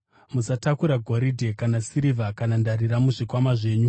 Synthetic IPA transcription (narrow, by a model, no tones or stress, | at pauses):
musatakuɾaɡʱoɾidʱekanasiɾivʱakanandariɾamuʐikwamaʐe̞ːɲu